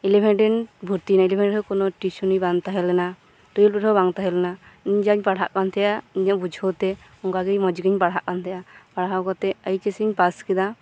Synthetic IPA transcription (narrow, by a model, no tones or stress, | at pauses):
ilepʰɛɳʈɛnbʱuɾt̪inailepʰɛɳʈʰɔkɔnɔʈisunijbant̪aɦɛlɛna | t̪ujilpɔʈʰɔbaŋt̪aɦɛlɛnaiɲd͡ʒaɲpaɽɦa̰ʔkant̪ʰɛjaiɲɔʔbud͡ʒʱɔwt̪ɛ | ɔŋɡaɡijmɔd͡ʒɡiɲpaɽɦaʔkant̪ʰɛjʔapaɽɦawkɔt̪ɛəjt͡ʃesiɲpaskid̪a